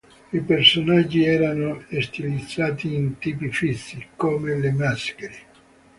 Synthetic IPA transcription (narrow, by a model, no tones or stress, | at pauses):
ipersonad͡ʒːiɛːɾanoest̪ilid̪zːaːt̪iːnt̪iːpifit̪sːikomelemaskeɾe